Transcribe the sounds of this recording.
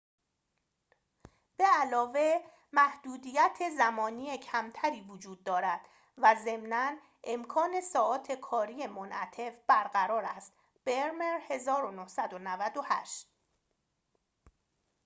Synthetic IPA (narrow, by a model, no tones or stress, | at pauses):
b̥eælɒːve̞ | mæhd̪̥uːd̪iːjæt̪ʰe̞zæmɒːniːecʰæmt̪ʰæɾiːvod͡ʒuːd̪̚ːɒːɾæd̪̥ | væze̞mnæn | ʔe̞mkʰɒːne̞sɒːɒːt̪ʰe̞kʰɒːɾiːe̞monʔæt̪ʰe̞fb̥æɾɢæɾɒːɾæst̪ | b̥eɾmeɾhe̞zɒːɾonohsæd̪onævæd̪o̞hæʃt̪